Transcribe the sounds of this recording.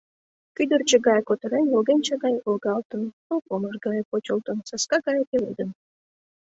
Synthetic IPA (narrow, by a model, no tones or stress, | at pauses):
kʲyd̪ərt͡ɕə̆ɡɑjkot̪ə̆ɾenʲolɡenʲt͡ɕɑɡɑjʔolˠɡɑlˠt̪ə̆nt̪olˠpomə̆ʐɡɑjəpot͡ɕolˠt̪ə̆nsɑskɑɡɑjət̪elʲḛd̪ə̆n